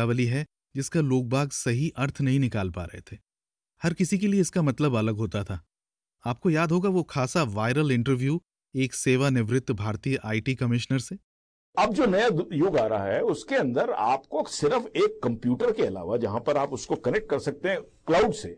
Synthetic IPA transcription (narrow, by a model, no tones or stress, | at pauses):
aːʋəliɦɛ | d͡ʒɪskaloːk̚bʱaːɡsɐɦiʔɐɾt̪ʰnɐɦĩnɪkaːlpa̰ːɾɐ̰ɦḛt̪ʰeː | hɐɾkɪsik̬elieɪskamɐt̪ləbɐləɡɦoːt̪at̪ʰaː | aːp̚kojaːd̪ʱɦoːɡaʋokʰaːsaʋaːɪɾəlɪ̃ɳʈəɾʋjuː | eːkseːʋanɪʋɾɪt̪ːbʱaːɾt̪ijəʔaːiʈiːkɐmɪʃnəɾseː | ɐb̚d͡ʒoːnɐjajʊɡaːɾaa̰ɦɛʊskeɐ̃nd̪əɾa̰ːpkosɪɾəfeːkːɐ̃mpjuːʈəɾkeɐla̰ːʋad͡ʒɐɦãpɐɾaːpʊskokɐnɛk̚ʈ̚kɐɾsɐk̚t̪eɦɛ̃ | klaːʊɖseː